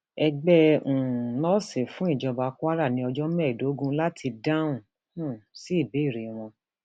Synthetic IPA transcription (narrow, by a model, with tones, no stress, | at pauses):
ɛ˧ɡ͡bɛ̃˦˨ | nɔ̃˦se˨fũ˨˦i˦˨d͡ʒɔ˧ba˧ka˦ɾa˦˨nĩ˧˦ɔ˧d͡ʒɔ˦mɛ˦˨do˨˦ɡũ˦la˦tʰi˧dã˦ũ˦˨ | ũ˦˨si˦i˦˨be˨˦i˦˨ɾe˨w̃ɔ̃˧